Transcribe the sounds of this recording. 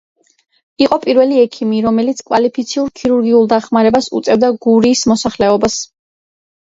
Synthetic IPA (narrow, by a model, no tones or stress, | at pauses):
iqʼɔpʼiɾvɛliɛkʰimiɾɔmɛlit̪sʰkʼwalipʰit̪sʰiuɾkʰiɾuɾɡiulˠd̪aχmaɾɛbasṵt̪sʼɛvd̪aɡuɾiːsmɔsaχlɛɔbas